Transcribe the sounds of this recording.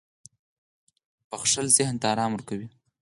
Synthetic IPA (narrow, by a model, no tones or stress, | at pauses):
pəxʂəlzɪhnt̪aɑɾɑmʊɾkawi